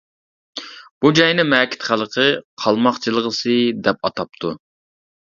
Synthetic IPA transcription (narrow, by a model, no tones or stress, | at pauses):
b̥ud͡ʒɑjnɨmɛkʲʰɪ̥t̪χælˠəqʰəqʰɑlˠmɑχt͡ʃʰɨlˠəʁəsɨd̪ɛp̚ɑt̪ʰɑp̚t̪ʰu